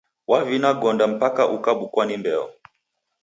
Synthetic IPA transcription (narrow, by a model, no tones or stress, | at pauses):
wavinaɡɔndam̩pakaʔukaɓukwanimbɛɔ̰